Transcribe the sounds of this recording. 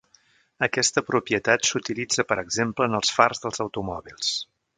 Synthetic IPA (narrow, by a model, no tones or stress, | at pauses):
əkɛst̪əpɾupijət̪at̪sut̪ilid͡zəpəɾəɡzempləːnəlˠsfarzðəlˠzəwt̪umɔβilˠs